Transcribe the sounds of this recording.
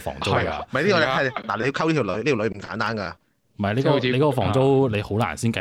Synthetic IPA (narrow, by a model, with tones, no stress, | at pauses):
fɔ̰ː˨˩ŋt͡so˥ɐ˨jm˨jt̪iː˥kːɔː˧˩ɛ˧˥ɛ˥˧laː˨˩le˧jkʰɐ˥wliː˥t̪ʰːwlɵ̰˨˧˥ɥliː˥t̪ʰi˨lɵ˨˧ɥm̩˨˩ka̰ː˨˥nt̪aː˥nka̰˧ | m̩˨˩mɐ˨jle˨˧jkɔ˧e˨˧jkɔː˨˥kɔ˧fɔ̰ː˨˩ŋt͡so˥wle˨˧jho˨˥wla̰ː˨˩nsiː˥nkɐ˨